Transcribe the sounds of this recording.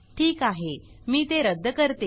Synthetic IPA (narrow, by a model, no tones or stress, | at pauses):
ʈʰiːkaɦe | miːt̪eɾəd̪ʱːəkəɾt̪e